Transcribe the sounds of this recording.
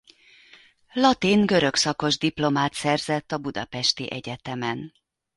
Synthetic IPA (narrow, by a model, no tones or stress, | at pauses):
lɒt̪iŋɡø̞ɾø̞ksɒko̞ʒd̪iplo̞maːt̪sɛrzɛt̪ːɒbud̪ɒ̰pɛʃt̪iʔɛɟɛt̪ɛmɛn